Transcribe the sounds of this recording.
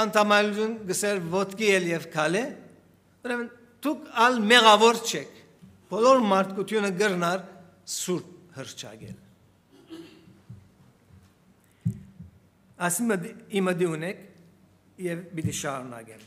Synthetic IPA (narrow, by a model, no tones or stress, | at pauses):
ɑnt̪ʰamɑjlut̪ʰjunɡəsɛɾvɔt̪kijɛljɛvkʰalɛ | uɾɛmən | t̪ʰukʰalmɛɣɑvɔɾt͡ʃʰɛkʰ | pʰɔlɔɾmɑɾt̪ʰkut̪ʰjunəɡəɾnaɾ | suɾt̪̚həɾt͡ʃʰɑ̰ɡɛ̰l | asiməiməd̪iunɛkʰ | jɛvbid̪iʃɑɾuna̰ɡɛl